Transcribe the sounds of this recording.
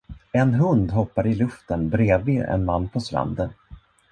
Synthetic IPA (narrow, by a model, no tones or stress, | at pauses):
ɛnɦɵnd̪ɦɔpːaɾɪlɵft̪ənbɾeːvlɪɛ̰nmanːpʰɔst̪ɾa̰nd̪ən